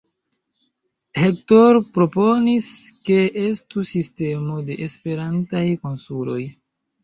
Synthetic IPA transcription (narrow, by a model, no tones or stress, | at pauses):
hek̚toɾpɾo̞po̞niske̞ʔestusiste̞mo̞de̞ʔespe̞ɾantajko̞nsulo̞̰j